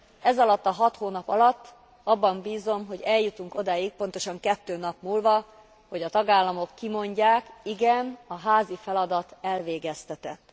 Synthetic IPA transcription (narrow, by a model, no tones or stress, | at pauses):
ɛzɒlɒt̪ːɒɦɒt̪hoːnɒpɒlɒt̪ː | ɒbːɒmbiːzo̞mɦo̞ɟɛljut̪uŋko̞d̪aːjik̚po̞nt̪o̞ʃɒŋkɛt̪ːøːnɒpmuːlvɒ | ho̞ɟɒt̪ɒɡaːlːɒmo̞kːimo̞ɲɟaːkiɡɛnɒɦaːzifɛlɒd̪ɒt̪ɛlveːɡɛst̪ɛt̪ɛt̪ː